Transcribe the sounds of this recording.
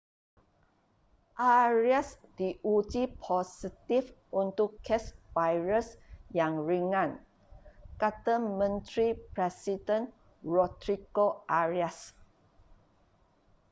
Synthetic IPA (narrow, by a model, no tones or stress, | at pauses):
ʔaɹiasd̥iʔud͡ʒipʰɔsit̪ifunt̪ʊkʰːɛsvajɹəsjaŋɹiŋãn | kat̪amə̃nt̪ɾipɾɛsidə̃n | ɹɔt̪ɾiɡoʔaɹias